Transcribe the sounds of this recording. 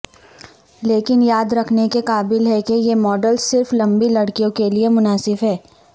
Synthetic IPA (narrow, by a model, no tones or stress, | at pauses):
leːkɪnjaːd̪ɾɐkʰnekekaːbɪlɦɛkejemɔːɖəlsɪɾflɐ̃mbilɐɽkijõkeliemʊnaːsɪfɦɛː